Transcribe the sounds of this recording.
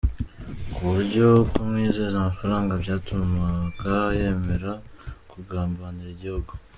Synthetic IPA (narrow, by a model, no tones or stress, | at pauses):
kʰuβuɾɟo̞komŋiːzezamafaɾaːŋɡabɟaːtummakaje̞ːme̞ɾakuɡaːmbaniɾiɟihuɡo